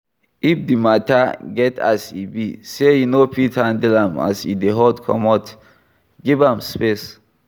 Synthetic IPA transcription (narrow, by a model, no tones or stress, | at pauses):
ifdimataɡɛta̰sḭbisejunopʰitãndilãma̰sḭdeɦɔdkʰɔ̰mɔt | ɡivãmspes